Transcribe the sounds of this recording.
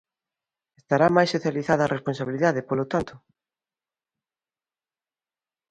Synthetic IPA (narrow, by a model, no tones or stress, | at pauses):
est̪aɾamajsoθjaliθaðɐːrʔesponsaβiliðaðepolot̪ant̪ʊ